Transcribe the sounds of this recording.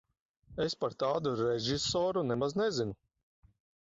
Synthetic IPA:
espaɾt̪aːd̪uɾɛʒisɔːɾunɛmaznɛzinu

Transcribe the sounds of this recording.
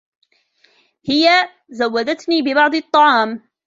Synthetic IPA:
hɪja | zawːad̪at̪niːbɪbɑʕd̪ˤɨt̪ˤːɑʕɑːm

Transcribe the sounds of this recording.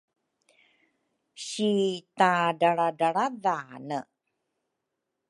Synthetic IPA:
ɕitadaɭadaɾavanə

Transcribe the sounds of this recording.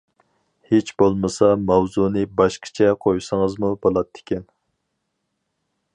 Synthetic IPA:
het͡ʃbolˠmɨsɑmɑwzunɨbɑʃqʰə̥t͡ʃʰɛqʰojsəŋəzmubolˠɑt̪ʰːɪ̥kʲɛn

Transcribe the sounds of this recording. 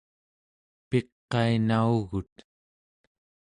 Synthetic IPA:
pe̞qːɑinauɣut̪

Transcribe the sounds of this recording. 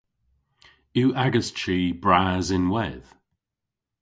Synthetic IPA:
uːʔaɡəst͡ʃiːbɹaːzɪnwɛð̥

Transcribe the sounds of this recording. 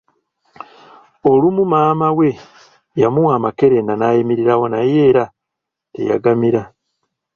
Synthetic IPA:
olumumaːmawe̞ | jamuwamake̞ɾe̞nanajemiɾiɾawo̞naje̞ːɾa | tḛja̰ɡamiɾa

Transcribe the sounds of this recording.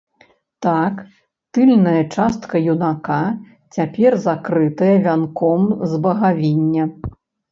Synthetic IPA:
t̪ak | t̪ɨlʲnɐjɐt͡ʂast̪kɐjunaka | t͡sʲapʲɛrzakɾɨt̪ɐjɐvʲankɔmzbɐɣavʲinʲːɐ

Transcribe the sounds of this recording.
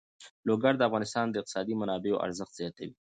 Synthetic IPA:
loɡaɽd̪əafɣɑnɪst̪ɑnd̪əɪq̪̚ɪ̥sɑd̪imanɑbeo̰ʔa̰ɾzəxt̪z̥ijɑt̪awi

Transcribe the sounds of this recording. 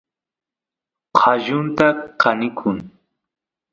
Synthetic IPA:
qʰɑʒʊnt̪aqɑnɪkʰʊŋ

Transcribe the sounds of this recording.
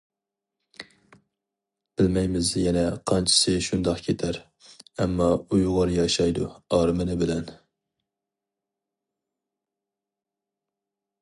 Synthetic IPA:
b̥ɪlmɛjmɪzjɛnɛqʰɑnt͡ʃʰɪ̥sɨʃund̪ɑqkʲʰet̪ʰæɾ | ɛmːɑujʁɑɾjɑʃɑjd̪uɑːɾɨmɨnɪbɪlɛn

